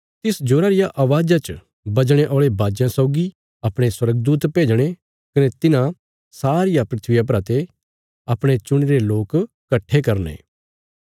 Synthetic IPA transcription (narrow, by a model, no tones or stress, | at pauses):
t̪ɪsd͡ʒoːɾaɾɪjaʔaʋaːd͡ʒat͡ʃ | bɐd͡ʒɽ̃eʔoːɭebʱaːd͡ʒjãsɔʊɡi | ɐpɽ̃eswɐɾəɡ̚d̪uːt̪peːd͡ʒɽ̃e | kɐnɛt̪ɪnã | saːɾɪjapɾɪt̪ʰʋɪjap̬ɾaːt̪e | ɐpɽ̃et͡ʃʊɽ̃iɾeloːk | kːɐʈʰːekɐɾnḛː